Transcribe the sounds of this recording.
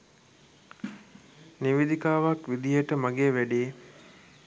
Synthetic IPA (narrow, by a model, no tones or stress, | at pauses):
niʋid̪ikaːʋakʋid̪ijəʈəmaɡeːʋæɖiː